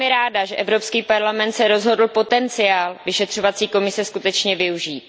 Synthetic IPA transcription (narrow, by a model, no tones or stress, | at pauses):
mɪɾaːdaʒɛʔɛvɾo̞pskiːpaɾlamɛnt̪sɛɾo̞zɦo̞dl̩po̞t̪ɛnt͡sɪjaːlvɪʃɛt̪r̥o̞vat͡siːko̞mɪsɛskut̪ɛt͡ʃɲɛvɪuʒiːt̪̚